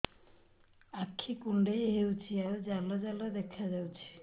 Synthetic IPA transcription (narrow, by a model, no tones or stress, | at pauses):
akʰːikuɳɖejɦewt͡ɕʰiaɾod͡ʑalːod͡ʑalad̪ɛkʰːad͡ʑawt͡ɕʰi̥